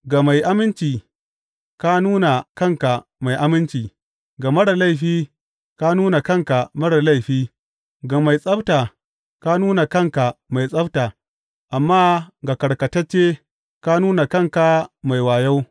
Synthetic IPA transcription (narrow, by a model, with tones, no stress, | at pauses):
ɡa˨ma˨jʔa˦mɪ˦nt͡ʃiː˨ | ka˦nuː˦na˨kɐ˦˨ŋka˨ma˨jʔa˦mɪ˦nt͡ʃiː˨ | ɡa˨mɐ˦ɽa˨la˦jɸiː˦ | ka˦nuː˦na˨kɐ˦ŋka˨mɐ˦ɽa˨la˦˨jɸiː˦ | ɡa˨ma˨jsʼɐ˦bta˨ | ka˦nuː˦na˨kɐ˦ŋka˨ma˨jsʼɐ˦btaː˨ | ʔa˨mːaː˦ɡa˨kɐ˨ɽkɐ˨tɐ˦t͡ʃːeː˦ | ka˦nuː˦na˨kɐ˦˨ŋka˨ma˨jwaː˨ja˦w